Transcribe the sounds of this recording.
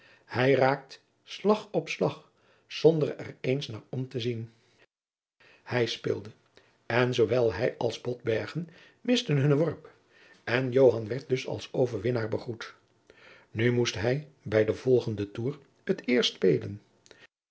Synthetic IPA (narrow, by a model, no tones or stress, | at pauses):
hɛjraːk̚t | slɑχɔpslɑχ | z̥ɔndərɛ̰rejnsnaːɹɔmtəzin | hɛjspɪ̰ːlˠdə | ɛnzowʋɛlˠɦɛjɑlˠzbɔd̚bɛɹχən | mɪstənɦɵnʋɔɹp | ɛnjowɦɑnʋɛɹt̚dɵsɑ̰lˠsowvəɹʋɪnaːɹbəχut | nymustɦɛj | bɛjdəv̥ɔlˠχəndətuːɹ | hətɪːɹstpejlən